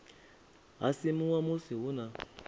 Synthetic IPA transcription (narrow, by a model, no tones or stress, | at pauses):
ɦa̰simuwamusiɦuna